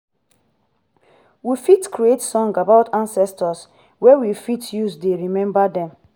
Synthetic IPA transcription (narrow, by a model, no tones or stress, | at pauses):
wifitkɹietsɔ̃ŋɡabaʊtʰãnsɛstɔs | wɛwifitjusdeɹimɛ̃mbadɛ̃m